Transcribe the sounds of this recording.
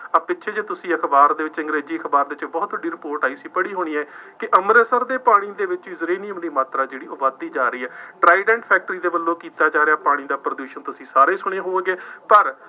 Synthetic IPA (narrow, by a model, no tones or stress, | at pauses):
apɪtːʃʰeːd͡ʒeːt̪ʊsĩːəkʰbaːɾd̪eːʋɪt͡ʃɪ̃ŋɡɾeːd͡ʒiːəkʰbaːɾd̪eɪɪt͡ʃbɔːt̪ʋəɖːiːɾɪpoːɾʈaːiːsiːpəɽiːɦoːɽ̃iːɛːkɪʔəmɾəsəɾd̪eːpaːɽ̃iːd̪eːʋɪt͡ʃʋiːzəɾeːniːəmd̪iːmaːt̪ɾaːd͡ʒeːɽiːʔoːʋaːd̪ːiːd͡ʒaːɾəiːɦɛːʈɾaːɪɖɛːɳʈpʰɛːk̚ʈəɾiːd̪eːbəlːõːkiːt̪aːd͡ʒaːɾeaːpaːɽ̃ĩːd̪aːpɾəd̪uːʃənt̪ʊsĩːsaːɾeːsʊɽ̃eːɦoːeːɡeːpəɾ